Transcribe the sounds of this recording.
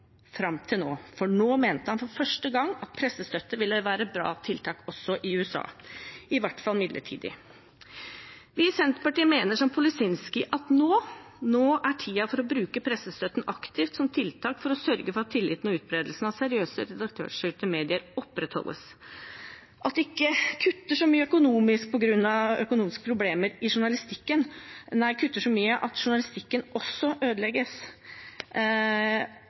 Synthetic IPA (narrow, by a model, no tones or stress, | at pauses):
fɾɑmt̪ʰɪlno̰ːfɔɳoːmeːnt̪əhɑnfɔɾfœʂʈəɡɑŋːɑt̪̚pʰɾɛsːəst̪œt̪ːəʋɪlːəʋæːɾəbɾɑ̰ːt̪ʰɪlt̪ʰɑːkɔsːɔʔɪʉːɛsɑ̰ːɪʋæʈfɑlmɪd̪lə̰ʈʰḭːd̪ɪ̰ | ʋɪsɛnt̪ə̥pɑʈiːəmeːnəʂɔmpʰʊlɪsɪnskɪʔɑt̪noː | noːʔæʈʰiːɑfɔɾɔbɾʉːkəpʰɾɛsːəst̪œt̪n̩ɑkt̪ɪft̪sɔmt̪ʰɪlt̪ʰɑːkfɔɾɔsœɾɡəfɔɾɑt̪ʰːɪlːɪːt̪nɔʉːt̪̚bɾeːd̪əlsnɑsɛɾɪøːsə̰ɾɛd̪ɑk̚t̪ʰø̰ːʂʏt̪əmeːd̪ɪəɾɔpːɾɛt̪hɔ̰lʔə̰s | ʔɑt̪ɛɪkːəkʰʉt̪ːəʂɔmyːəœkʊnuːmɪsk̚pʰɔɡɾʉnːɑœkʊnuːmɪskə̥pʰɾʊbleːməɾɪʂʊɳɑlɪst̪ɪkːənnæɪkʰʉt̪ːəʂɔmyːəʔɑt̪ʂʊɳɑlɪst̪ɪkːənɔsːɔʔøːd̪lɛɡəs